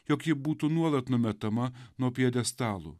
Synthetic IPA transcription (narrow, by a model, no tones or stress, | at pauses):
jɔkjɪbuːt̪unuɔlˠɐt̪nʊmʲɛt̪ɐmɐnuɔpʲiɛd̪ʲɛst̪ɑːlˠṵ